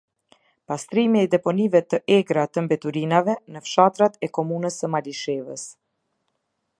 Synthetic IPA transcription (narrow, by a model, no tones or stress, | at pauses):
past̪ɾimiɛd̪ɛpɔnivɛt̪əʔɛɡɾat̪əmbɛt̪uɾinavɛnəfʃat̪ɾat̪ɛkɔmunəsəmaliʃɛvəs